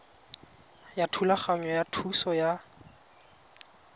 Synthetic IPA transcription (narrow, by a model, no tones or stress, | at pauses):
jatʰulaχaŋɔjatʰusɔja